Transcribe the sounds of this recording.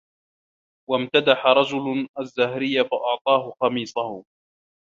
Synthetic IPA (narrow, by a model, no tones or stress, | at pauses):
wamt̪ad̪aħaɾˤɑd͡ʒʊlazːahɾɪjːafaʔɑʕt̪ˤɑːɦʊqɑmiːsˤɑhʊ